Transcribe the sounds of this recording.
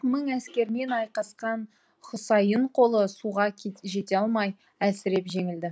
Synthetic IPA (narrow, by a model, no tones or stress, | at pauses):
məɴæskʲe̞ɾme̞nɑjqɑsqɑn | χʊsɑjəɴqʰo̞lˠəsuʁɑʒe̞t̪e̞ɑlˠmɑj | æsɪɾe̞pʒe̞ŋɪld̪ɪ